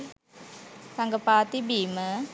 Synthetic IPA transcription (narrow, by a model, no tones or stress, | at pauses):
saŋɡəpat̪ibimə